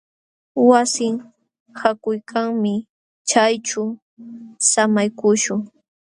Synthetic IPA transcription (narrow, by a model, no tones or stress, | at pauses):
wasɪŋ | hakʊjkʰaŋmɪ | t͡ʃajt͡ʃʊ | samajkʊʃʊŋ